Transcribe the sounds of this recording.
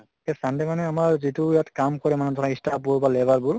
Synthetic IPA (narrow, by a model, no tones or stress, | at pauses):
ɛsandɛmanɛamaɹzitujatkamkɔɹɛmanɛtɔnaistapuɹbalɛbaɹbʊɹ